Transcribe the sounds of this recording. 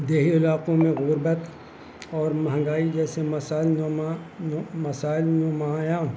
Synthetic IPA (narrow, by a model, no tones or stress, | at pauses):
d̪eːɦiɪlaːqõmẽɣʊɾbət̪ | ɔːɾmɐɦə̃ŋɡaːid͡ʒɛːsemɐsaːɪln | mɐsaːɪlnoːmajãː